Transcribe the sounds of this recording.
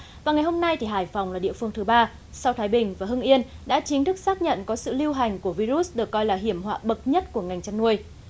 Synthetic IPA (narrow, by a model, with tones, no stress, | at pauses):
vvaː˨˩ŋa˨˩jɦo˧mna˧jt̪ʰi˨˩ɦaː˧˩jfa˨˩wŋ͡mlaː˨˩ɗḭ˧˨əfɨ˧əŋt̪ɨ˨˦ɓaː˧ | sa˧wt̪ʰaː˨˦jɓï˨˩ŋ̟vaː˨˩ɦɨ˧ŋʔi˧ənɗa̰ː˧˥t͡ɕï˨˦ŋt̪ʰɨ˦˥k̚saː˦˥k̚ɲə̰˧˨nkɔ˨˦sɨ̰˧˨li˧wɦa˨˩jŋ̟ku˧˩əvi˧zu˦˥t̚ɗɨ˨˩əkːɔ˧jlaː˨˩ɦi˧˩əmhwa̰ː˧˨ɓə˨˩t̚ɲə˦˥t̚ku˧˩əŋa˨˩jŋ̟t͡ɕa˧nnu˧əj